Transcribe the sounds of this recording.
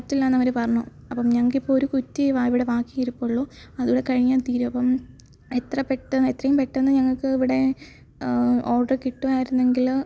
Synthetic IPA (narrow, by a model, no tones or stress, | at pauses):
tːilːaːnɐmːɐɾepɐrɐɲːṵ | ɐpːɐmɲɐŋːɐɭkːipːoɭoɾukutːiʋaiʋiɽe̞ʋaːkːiŋiɾukːoːɭːoː | ɐðuːɽe̞kɐɻiɲːaːnt̪iːɾumɐpːɐm | et̪rɐpeʈːɐet̪rɐjumpeʈːenːɨɲɐŋːɐɭkɨiʋiɽe̞ | oːrɖɐrkiʈːuaːjiɾunːe̞ŋɡil